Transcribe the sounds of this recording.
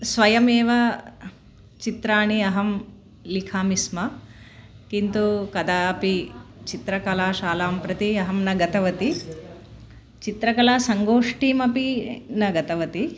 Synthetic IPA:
sʋɐjɐmeːʋɐ | t͡ʃit̪ɾaːɳiɐɦɐm | likʰaːmismɐ | kint̪ukɐd̪aːpit͡ʃit̪ɾɐkɐlaːʃaːlaːmpɾɐt̪iɐɦɐmnɐɡɐt̪ɐʋɐt̪i | t͡ʃit̪ɾɐkɐlaːsɐŋɡoːʂʈiːmɐpinɐɡɐt̪ɐʋɐt̪i

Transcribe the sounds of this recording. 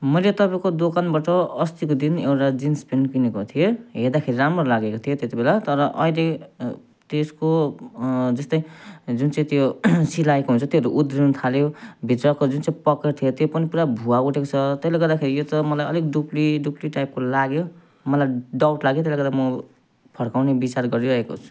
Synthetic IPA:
mʌjlet̪ʌpaĩkod̪okanbaʈʌʌst̪ikod̪inewʈad͡zinspenkinekot̪ʰijeɦed̪akʰeɾiɾamrolaɡekot̪ʰijot̪et̪ibelat̪ʌɾʌʔʌ̰ile | t̪esko | d͡zʌst̪ʌĩd͡zunt͡saĩt̪josilaekoɦunt͡sʰʌt̪jeɦʌɾuʔud̪ɾinut̪ʰaljobʱit̪rʌkod͡zunt͡saĩpʌkert̪ʰijot̪jopʌnipuɾabʱuauʈʰekot͡sʰʌt̪ʌjleɡʌrd̪akʰeɾijot̪ʌmʌlajʌlekɖupliɖupliʈajp̚kolaɡjo | mʌlajɖawʈlaɡjot̪eleɡʌd̪amʌ | pʰʌɽkawnebit͡sarɡʌɾiɾʌɦeko̰t͡sʰu̥

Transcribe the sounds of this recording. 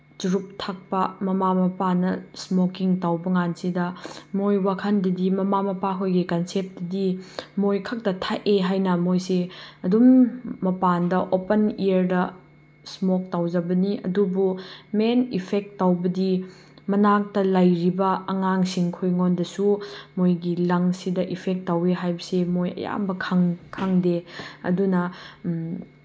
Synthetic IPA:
d͡ʒuɾup̚tʰak̚pɐmɐmamɐpanɐsmokiŋtawbɐŋansidɐmojwakʰɐndɐdimɐmamɐpaɦʰojɡikɐnsep̚tɐdimojkʰɐk̚tɐtʰaʔeɦajnɐmojseɐdumːɐpandɐʔopɐnijɐɾdɐ | smok̚tawd͡ʒɐbɐniɐ̰dubumenipʰek̚tːawbɐdi | mɐnak̚tɐlɐjɾibɐɐŋaŋsiŋkʰojŋondɐsumojɡilɐŋsidɐʔipʰek̚tːaweɦajbɐsemojɐ̰ja̰mbɐkʰɐŋkʰaŋdeɐ̰dunɐ

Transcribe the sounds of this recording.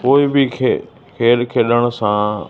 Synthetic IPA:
poːɪbɪkʰe | kʰeːlkʰeːɗəɽ̃ʊ̆sãː

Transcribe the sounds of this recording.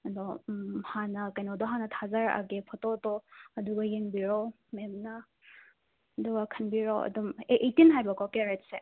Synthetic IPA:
ɐdɔhanɐkɐjnodɔɦanɐtʰazaɾɐ̰ɡepʰɔtotɔɐduɡɐjeŋbiɾo | memnɐ | ɐduɡɐkʰɐnbiɾoɐ̰dumeʔetinɦajbɐkʰɔkeɾet̚se

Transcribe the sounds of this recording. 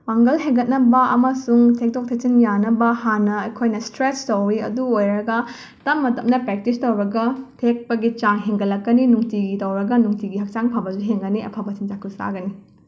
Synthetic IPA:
waŋɡɐlɦeŋɡɐt̚nɐbɐɐ̰mɐsuŋtʰek̚tʰok̚tʰek̚t͡ʃinjanɐbɐhanːɐɐjkʰojnɐstɾestowɾiɐ̰duojɾɐɡɐ | tɐmːɐtɐmnɐpɾek̚tistɐwɾɐɡɐtʰek̚pɐɡit͡ʃaŋɦeŋɡɐlɐkːɐninuŋtiɡitɐwɾɐɡɐnuŋtiɡiɦɐk̚t͡ʃaŋpʰɐbɐzuɦeŋɡɐniɐ̰pʰɐbɐsind͡ʒakʰusa̰ɡɐni

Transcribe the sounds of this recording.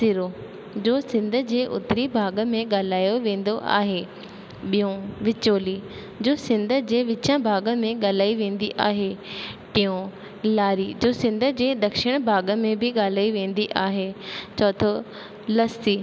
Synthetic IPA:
siɾo | d͡ʑoːsɪ̃nd̪ʱə̆d͡ʑeːʔʊ̰t̪ɪɾibʱaːɡə̆mẽɠaːl̤aːjoʋẽːn̆d̪oʔa̰ːɦe | ɓijõʋɪt͡ɕoːli | d͡ʑoːsɪ̃nd̪ʱə̆d͡ʑeːʋɪt͡ɕãbʱaːɡəmẽɠaːl̤aːiʋẽːn̆d̪iʔa̰ːɦeʈɪõ | laːɾid͡ʑoːsɪ̃nd̪ʱəd͡ʑeːɗ̪ɐkʃɪɽ̃bʱaːɡəmẽbʱɪɠaːl̤aːiʋẽːn̆d̪iʔaːɦet͡ɕɔːt̪ʰo | lɐst̪iː

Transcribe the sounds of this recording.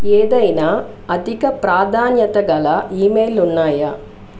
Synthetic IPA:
eːd̪ɐjna | ɐd̪ʱikɐpɾaːd̪ʱaːnjɐt̪ɐɡɐlɐʔiːmeːlunːaːjɐ

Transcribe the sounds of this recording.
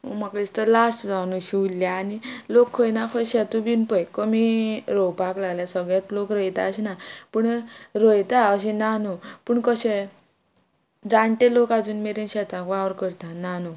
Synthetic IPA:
o̰makist̪əlasʈd͡zawnuɕiulːjaːnilokʰːəjnakʰəjɕɛt̪ubinpəjkəmiɾɔwpaklaɡljasəɡɭjat̪lokɾəjt̪a̰əɕinapuɳɾəjt̪aəɕ̬ɛnanupuːɳkəɕe | d͡zaɳʈelokad͡zuːnmeɾenɕɛt̪ãkʋaʋəɾkəɾt̪ãnanu

